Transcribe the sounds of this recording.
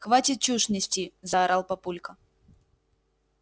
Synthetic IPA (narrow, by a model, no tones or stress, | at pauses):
xvatʲɪt̪̚t͡ɕuʂnʲɪsʲtʲizɐːɾalˠpɐpulʲkə